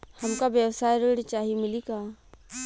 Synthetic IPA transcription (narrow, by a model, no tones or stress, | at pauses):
hɐmkabjəwsaːjɾeːɽt͡ʃaːɦimɪlikaː